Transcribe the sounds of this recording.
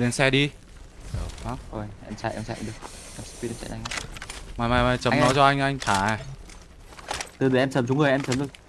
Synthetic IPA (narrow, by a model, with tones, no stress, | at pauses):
ɗe˨˦nsɛ˧ɗi˧ | ɗəː˨˩xwaː˦˥k̚o˨˩jʔɛ˧mt͡ɕa̰˧˨ʔɛ̰˧mt͡ɕa̰˧˨˧ɗɨ˨˩ək̚a˧˩spi˧ɛ˧t͡ɕa̰˧˨ʔa˧jŋʔa˧maː˨˩jmaː˨˩jmaː˨˩jt͡ɕə˨˦˧mnɔ˨˦t͡ɕɔ˧ʔa˧jŋ̟ʔa˧ŋ̟t̪ʰaː˧˩˨ | t̪ɨ˨˩ɗɨ˨˩˦ʔɛ˧mt͡ɕə˨˦mt͡ɕʊ˨˦ŋɨ˨˩jʔɛ˧mt͡ɕə˨˦mzɨ˨˩ə